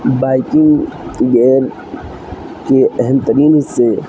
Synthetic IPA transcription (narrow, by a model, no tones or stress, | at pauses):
baːɪkɪ̃ŋɡɡɛːɾ | keɛɦɛmt̪əɾiːnɦɪsːe